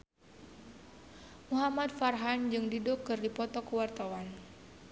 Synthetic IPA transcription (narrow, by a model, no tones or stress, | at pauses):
muɦamat̪̚farɦand͡ʒɨŋdidɔkːɨrdipɔt̪ɔkuwart̪awan